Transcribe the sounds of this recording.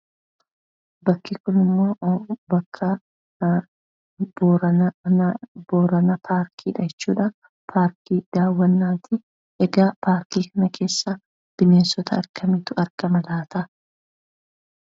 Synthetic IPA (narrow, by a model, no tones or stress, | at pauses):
bɐkːɪkʊnɪmːo̞ːbɐkʰːɐ | boɐ | boːɾɐnɐpʰaːɾkʰiːᶑɐd͡ʒɛt͡ʃːṵːᶑɐ | pʰaːɾkiːd̪̥aːwːɐnːaːt̪ɪ | ʔɛɡaːpʰaːɾkiːkɐnɐkʰe̞ːsːa | d̪̥ɪme̞ːnsɔt̪ʰɐɐ̰ɾkʰɐmit̪ʊɐɾɡɐmɐlaːt̪ɐ